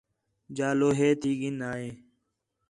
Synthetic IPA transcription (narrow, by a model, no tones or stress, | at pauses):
d͡ʒaːloːɦeːt̪iːɡinaːeː